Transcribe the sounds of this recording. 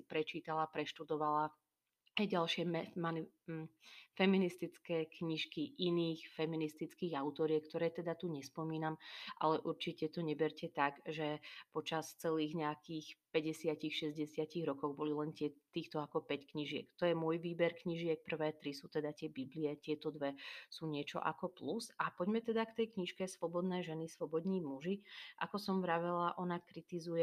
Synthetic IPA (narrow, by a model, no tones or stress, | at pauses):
pɾɛt͡ʃiːt̪alapɾɛʃt̪ud̪ɔʋala | ajɟalʃɪɛmɛmani | fɛminist̪it͡skɛːkɲiʃkiʔiniːxfɛminist̪it͡skiːɣaʊt̪ɔɾiɛkt̪ɔɾɛːt̪ɛd̪at̪uɲɛspɔmiːnamʔa̰lɛʔuɾt͡ʃicɛt̪ɔɲɛbɛɾcɛt̪aɡʒɛpɔt͡ʃast͡sɛliːɣɲɛakiːxpɛɟɛsɪacixʃɛzɟɛsɪaciɣɾɔkɔɣbɔlilɛnt̪ɪɛt̪iːxt̪ɔakɔpɛckɲiʒɪɛ̰kt̪ɔjɛmʊɔjʋiːbɛɾkɲiʒɪɛk̚pr̩ʋɛːt̪ɾisuːt̪ɛd̪at̪ɪɛbibliɛt̪ɪɛt̪ɔd̪ʋɛsuːɲɪɛt͡ʃɔ̰ʔa̰kɔplusapɔɟmɛt̪ɛd̪akt̪ɛjkɲiʃkɛsʋɔbɔd̪nɛːʒɛnisʋɔbɔd̪ɲiːmuʒiʔa̰kɔsɔmvɾaʋɛlaʔɔnakɾit̪izujɛ